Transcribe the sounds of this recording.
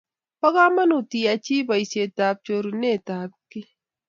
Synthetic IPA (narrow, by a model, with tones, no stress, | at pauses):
pɐ˦ɣaː˦mɐ˦nu˨t̪i˨a˨t͡ʃiː˦bɐ˨ise˨t̪aː˨b̚t͡ʃo˧ɾu˨ne˦˨t̪aː˨b̚ki˦